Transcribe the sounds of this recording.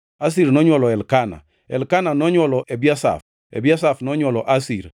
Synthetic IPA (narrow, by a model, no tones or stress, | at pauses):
as̬iɾnɔɲwɔlɔɛlkana̰ | ɛ̰lkananɔɲwɔlɔʔɛbiasa̰f | ɛ̰biasafnɔɲwɔlɔʔasiɾ